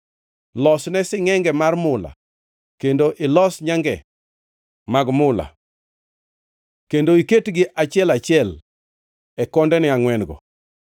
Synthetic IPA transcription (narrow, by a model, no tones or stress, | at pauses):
lɔsnɛsɪŋɛŋɡɛmarmʊla̰ | kendoʔɪlɔsɲaŋɡɛ̰ | maɡmʊla̰ | kendoiketɡɪʔat͡ʃɪɛlat͡ʃɪɛl | ɛkɔndɛnɪaŋwɛnɡɔ̰